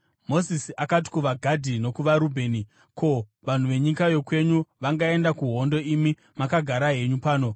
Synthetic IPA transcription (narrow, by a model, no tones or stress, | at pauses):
mo̞sisiʔakat̬i̥kuʋaɡʱadʱino̞kuʋaɾubʱe̞ːni | kʰo̞ | ʋan̤uʋe̞ɲikajo̞kwe̞ɲuʋaŋɡae̞ndakuɦo̞ndo̞imi | makaɡʱaɾaɦe̞ɲupaːno̞